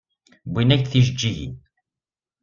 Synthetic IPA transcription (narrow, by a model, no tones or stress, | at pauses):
bʷinæçθiʒəd͡ʒːiʝḭn